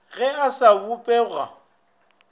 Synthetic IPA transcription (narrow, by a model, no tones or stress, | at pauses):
ɣɛasaupʼɛɣa̰